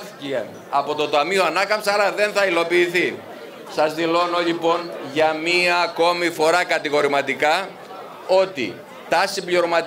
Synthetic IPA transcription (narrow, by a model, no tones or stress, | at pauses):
ciɐ | ɐpo̞t̪o̞t̪ɐmio̞ɐnɐkɐmpsɐɾɐðe̞nθɐilo̞piːθi | sɐzðilo̞no̞ʎipo̞nʝɐmiɐːko̞mifo̞ɾɐkɐt̪iɣo̞ɾimɐt̪ikɐ | o̞t̪ḭ | t̪ɐsimbʎioɾomɐt̪